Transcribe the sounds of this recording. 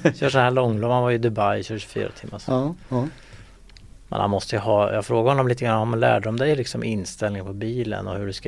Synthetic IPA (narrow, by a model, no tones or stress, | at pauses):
ɕœːʂɔnhæːɭɔŋːlɔmhanvaɾjɵd̪ɵbajɕʉːɡɕʏ̥fy̰ːɾa̰t̪ʰɪmːaɾ | mʔɛ̰nha̰nmɔst̪əjɵɦɑːjɑːɡfɾoːɡaɾhɔnːɔmliːt̪əɡɾanːahɔmhanlæ̰ːɖɛɔmd̪ɛjlɪksɔmʔɪnːst̪ɛlnɪŋpʰɔbiːlə̰nɔhɵɖɵsk